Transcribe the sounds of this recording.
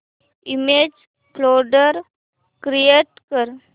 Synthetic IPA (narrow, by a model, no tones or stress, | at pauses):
imed͡ʒ | floɖəɾ | kɾijeʈkəɾ